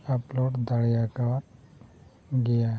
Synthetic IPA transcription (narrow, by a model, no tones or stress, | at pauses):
aplɔʈd̪ʱaɽjakaɾ | ɡɛja